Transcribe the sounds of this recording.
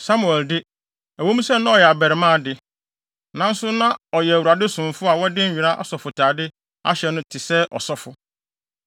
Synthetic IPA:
sa˦mu˨ɛ˨ldɪ˦ | æ˨wo˦mũ˦sɛ˦nʊ̃˦ɔ˨jɛ˨a˨bɛ˨ɾɪ˨mã˦˨dɪ˦ | nã˦n̩˦sʊ˦nã˦ɔ˨jɛ˨æ˨wu˨ɾa˨dɪ˦sʊ̃˨m˨fʊ˦a˨wɔ˦dɪ˦ɥᶣi˨ɾa˦ʔa̰˦sɔ˨fʊ˨tʰaː˨dɪ˦ | a˦ɕɛ˨nʊ̃˦tʰɪ˨sɛ˦ʔɔ̰˨sɔ˦fʊ˨

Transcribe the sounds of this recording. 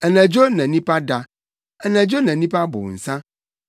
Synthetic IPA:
ɛ˨nɛ̃˨d͡ʒo˦nã˨nĩ˦pa˦da˨ | ɛ˨nɛ̃˨d͡ʒo˦nã˨nĩ˦pa˦bo̰˨n̩˨sã˦

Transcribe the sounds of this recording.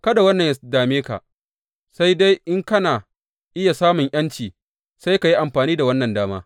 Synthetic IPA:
kɐ˦da˨wɐ˦nːɐ˨ɲjdaː˨meː˦ka̰˨ | sa˦jda˦jʔɪ˦ŋkɐ˦naː˨ | ʔɪ˦ja˨saː˦mʊ˨ŋʔɐ˦nt͡ʃiː˨ | sa˦jka˨ji˦ʔa˨mɸaː˨niː˦da˨wɐ˦nːɐ˨ndaː˦maː˦

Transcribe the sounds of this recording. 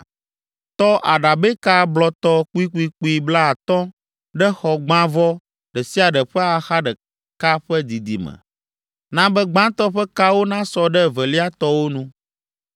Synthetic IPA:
t̪ɔ˦ʔa˨ɖa˨be˦ka˦blɔ˨t̪ɔ˦k͡pu˦i˦k͡pu˦i˦k͡pu˦i˦bla˦a˨t̪ɔ̃˦ | ɖɛ˦xɔ˨ɡ͡bã˦vɔ˦ | ɖɛ˨si˦a˨ɖɛ˨ɸɛ˦a˨xa˦ɖɛ˨ | ka˦ɸɛ˦d̪i˨d̪ḭ˨mɛ̰˨ | nã˦bɛ˦ɡ͡bã˦t̪ɔ˦ɸɛ˦ka˦wo˦nã˦sɔ˨ɖɛ˦vɛ˨li˦a˦t̪ɔ˦wo˦nũ˦

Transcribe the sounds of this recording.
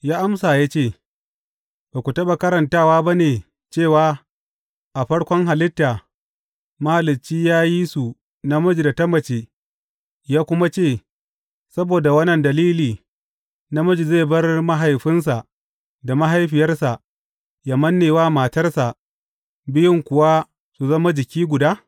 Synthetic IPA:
jaː˦ʔa˦msaː˨jaː˦t͡ʃeː˦˨ | b̥aː˨kʷu˨tɐ˦ɓa˨kɐ˦ɾɐ˨ntaː˦˨waː˦ba˦neː˨ | t͡ʃeː˦˨waː˦ | ʔa˨ɸɐ˦ɽkʷɔ˦ŋɦa˨lɪ˦tːaː˨ | ma˦ha˨lɪ˨t͡ʃiː˦jaː˦ji˦su˨ | na˦mʊ˦d͡ʒi˨da˨tɐ˦mːɐ˨t͡ʃeː˦ | jaː˦kʷʊ˦ma˦t͡ʃeː˦˨ | sɐ˦boː˨da˨wɐ˦nːɐ˨ndɐ˨liː˦liː˨ | na˦mʊ˦d͡ʒi˨zeː˦˨bɐ˦rma˦ɦa˨jɸɪ˦ns̬a˨ʔ | da˨ma˦ɦa˦jɸɪ˨jɐ˦rsa˨ʔ | ja˨mɐ˦nːeː˨waː˦maː˨tɐ˦rsa˨ʔ | bɪ˦jɪ˦ŋkʷʊ˨wa˦ | su˨zɐ˦ma˦d͡ʒɪ˨kʲiː˦ɡʷʊ˨daː˦

